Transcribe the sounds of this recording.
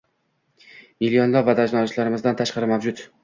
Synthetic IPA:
milijɒnlapvad̪aʒnɒɪʃlaɾɪmɪzd̪ant̪ʰaʃqɑɾɪmavd͡ʒʊt̪

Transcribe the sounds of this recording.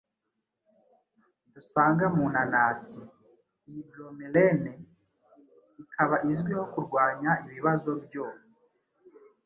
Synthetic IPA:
dusaːŋɡamuːnanaːsi | iiɡlomelene | ikʰaβaʔizɡwihokuɾɡwaːɲaiβiβazo̞bjo

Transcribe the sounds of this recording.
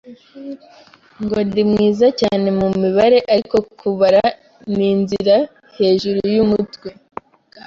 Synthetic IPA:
ŋɡo̞ndimŋiːzacaːne̞mumiβaɾe̞ʔako̞kʰuβaɾa | niːnziɾa | he̞ːʒuɾujumutwe

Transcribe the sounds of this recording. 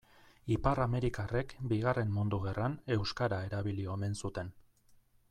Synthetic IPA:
iparame̞ɾikarekbiɣ̞are̞mːund̪uɣe̞rane̞wskaɾae̞ɾaβilio̞me̞nsut̪e̞n

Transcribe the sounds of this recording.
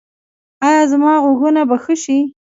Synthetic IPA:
ɑjɑzmɑɣoɣunabaxəʃi

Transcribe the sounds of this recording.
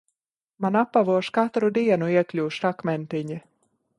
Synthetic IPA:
manapːavuɔʃkat̪ɾud̪iɛnuiɛklʲuːʃɾakmɛnt̪iɲi

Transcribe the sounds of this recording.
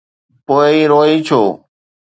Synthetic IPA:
poːiːɾoːɦiːt͡ʃʰoː

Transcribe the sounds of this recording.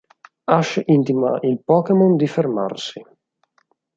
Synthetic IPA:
aʃint̪ima̰ʔilpɔːkemond̪iferma̰rsi

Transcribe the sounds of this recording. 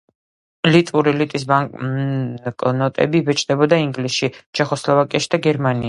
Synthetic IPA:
lit̪ʼuɾilit̪ʼis̬baŋ | kʼnɔt̪ʼɛ̰bivɛt͡ʃʼd̪ɛbɔd̪aiŋɡlisʃit͡ʃʰɛχɔslˠɔvakʼiaʃi̥d̪aɡɛɾmani

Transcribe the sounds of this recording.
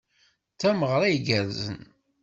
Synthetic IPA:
t͡sːæməʁɾˤæjɡæɾzə̰n

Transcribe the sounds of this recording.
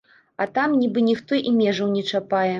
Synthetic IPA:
at̪amnʲibɨnʲixt̪ɔʔimʲɛʐɐwnʲɛt͡ʂapajɛ

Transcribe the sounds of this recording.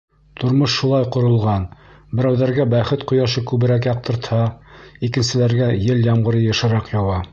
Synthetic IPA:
t̪ŏɾmoʃːulˠɑjqŏɾŏlˠʁɑn | bɘ̆ɾæwðæɾɡæbæχɘt̪qŏjɑʃɤkʉβɘ̆ɾækjɑq̚t̪ɤ̆ɾt̪hɑikɘ̆nsɘ̆læɾɡæjɘljɑmʁɤ̆ɾɤjɤ̆ʃɤ̆ɾɑqjɑwɑ

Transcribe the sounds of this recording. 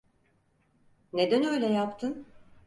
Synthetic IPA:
ned̪ænø̞jlʲɛjapt̪ʰɯn

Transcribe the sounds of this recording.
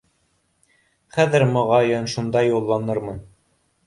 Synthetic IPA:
χæðɘɾmɑʁɑjɤnʃund̪ɑjulˠːɑnɤɾmɤn

